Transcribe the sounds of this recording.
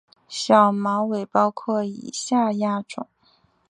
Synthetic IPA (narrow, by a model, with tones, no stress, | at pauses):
ɕjɑ˨˩ʊmɑ˧˥we˨˩ɪpɑ˥˧ʊkʰwwɔ˥˩ḭ˨˩ɕja˥˧ja˥˩ʈ͡ʂʊ̰˨˩˦ŋ